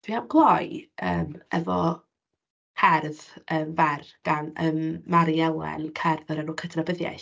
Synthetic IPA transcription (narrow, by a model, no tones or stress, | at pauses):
d̥iamɡlˠɔjəːmɛvɔ | hʰɛrðəːmvɛrɡ̥anəmːaɾiɛlˠɛ̰nkʰɛrðɔɾɛnuːkʰədʰrabəðja̰ɬ